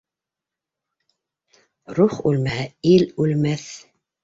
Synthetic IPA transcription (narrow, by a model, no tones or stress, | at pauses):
ɾuχʉlmæhæilʉlmæθ